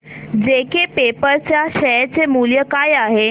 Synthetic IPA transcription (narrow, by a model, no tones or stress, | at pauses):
d͡zekepepəɾt͡ɕjaɕɛt͡semuljəkajaɦe